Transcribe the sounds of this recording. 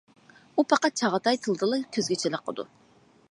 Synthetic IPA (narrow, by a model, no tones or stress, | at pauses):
upʰɑqɑt̪̚t͡ʃʰɑʁət̪ʰɑjt̪ʰɨlˠd̪ɨlˠɨkʲʰøzɡʲɪt͡ʃʰeləqʰːə̰d̪ṵ